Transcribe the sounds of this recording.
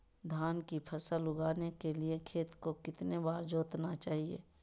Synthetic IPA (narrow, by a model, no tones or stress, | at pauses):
d̪ʱaːnkipʰəsəlʊɡaːnekeliekʰeːt̪kokɪt̪nebaːɾd͡ʒoːt̪nat͡ʃaːɦiḛː